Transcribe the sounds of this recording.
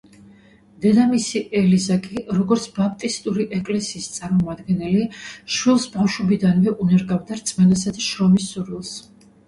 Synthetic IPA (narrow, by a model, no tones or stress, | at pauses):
d̪̥ɛd̪amisiʔɛlizakʼiɾɔɡɔɾt̪sʰbap̚ʰt̪ʼist̪ʼuɾiʔɛkʼlɛsiːst̪sʼaɾmɔmad̪ɡɛnɛliʃwilˠsbafʃubid̪anvɛʔunɛɾɡavd̪aɾt̪sʼmɛnasad̪aʃɾɔmisːuɾilˠs